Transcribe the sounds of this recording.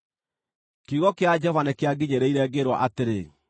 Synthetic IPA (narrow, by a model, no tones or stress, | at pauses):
keuɣɔkead͡ʒɔvanekeaɡiɲeɾeiɾɛɡeɾwa̰ʔateɾe